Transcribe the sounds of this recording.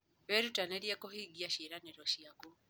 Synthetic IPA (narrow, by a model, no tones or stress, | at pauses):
βɛɾutaneɾjakohiɡiaʃeɾaneɾɔʃiako